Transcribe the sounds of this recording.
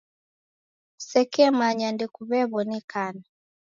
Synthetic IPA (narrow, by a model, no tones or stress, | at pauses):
sɛkɛmaɲandɛkuβɛβɔnɛkana